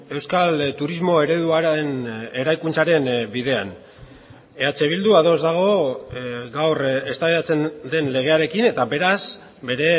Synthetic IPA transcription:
e̞wskalt̪uɾizmo̞e̞ɾe̞ðuaene̞ɾajkunt͡saɾe̞nbiðe̞a̰n | e̞at͡se̞β̞ild̪uaðo̞zd̪aɣ̞o̞ | ɡawre̞st̪aβeat͡se̞nd̪e̞nle̞ɣ̞e̞aɾe̞kine̞t̪abe̞ɾas | be̞ɾe̞

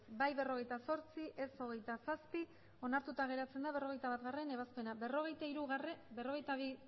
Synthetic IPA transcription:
bajβe̞ro̞ɣ̞e̞jt̪aso̞ɾt͡siʔeso̞ɣ̞e̞jt̪asaspi | o̞naɾt̪ut̪aɣ̞e̞ɾat͡se̞nd̪aβe̞ro̞ɣ̞e̞jt̪aβat̪ɣare̞ne̞β̞aspe̞nabe̞ro̞ɣ̞e̞jt̪aiɾuɣrebe̞ro̞ɣ̞e̞jt̪aβi

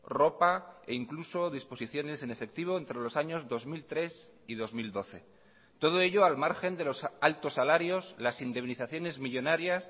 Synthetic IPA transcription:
ro̞paḛiŋkluso̞ðispo̞siθjo̞ne̞sene̞fe̞k̚t̪iβ̞o̞ent̪ɾe̞lo̞saɲo̞zðo̞zmilt̪ɾe̞s | ið̞o̞zmild̪o̞θe̞ | t̪o̞ð̞oe̞ʎo̞almaɾxe̞nd̪e̞lo̞salt̪o̞sːalaɾjo̞slasind̪e̞βniθaθjo̞ne̞zmiʎo̞naɾjas

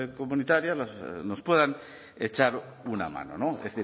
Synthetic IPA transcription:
komunit̪aɾjalasnospweð̞an | et͡ʃaɾ | una̰ma̰nonoθi

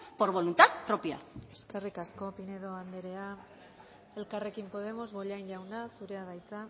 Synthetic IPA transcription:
po̞ɾβo̞lunt̪at̪pɾopjae̞ske̞rikasko̞pineðo̞and̪eɾe̞a | e̞lkare̞kimpo̞ðe̞mo̞zβo̞ʎajnʎawnasuɾe̞aðajt͡s̪a

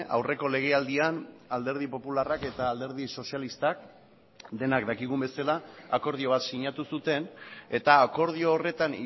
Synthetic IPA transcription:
a̰wre̞ko̞le̞ɣ̞e̞ald̪ianald̪e̞ɾð̞ipo̞pularake̞t̪aːld̪e̞ɾð̞iso̞sialist̪ak̚ | d̪e̞nakd̪akiɣumbe̞salaːko̞ɾð̞io̞β̞at̪siɲat̪usut̪e̞ne̞t̪aːko̞ɾð̞io̞ːre̞t̪ani

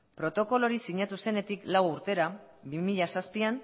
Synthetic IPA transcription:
pɾo̞t̪o̞ko̞lo̞ɾisiɲat̪use̞ne̞t̪iklawuɾt̪e̞ɾabimiʎasaspian

